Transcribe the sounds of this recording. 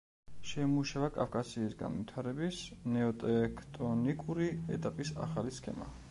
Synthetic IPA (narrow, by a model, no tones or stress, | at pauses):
ʃɛmuʃavakʼafkʼasiːsɡa̰nvit̪ʰaɾɛbisnɛɔt̪ʼɛkʰt̪ʼɔnikʼuɾiɛ̰t̪ʼapʼisa̰χaliskʰɛ̰ma̰